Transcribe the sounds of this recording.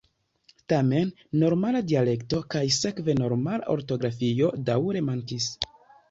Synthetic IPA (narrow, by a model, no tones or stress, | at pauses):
tame̞nː | o̞ɾmaladiale̞kto̞kajse̞kveno̞ɾmala̰ʔoɾto̞ɡɾafio̞dawɾe̞maŋkis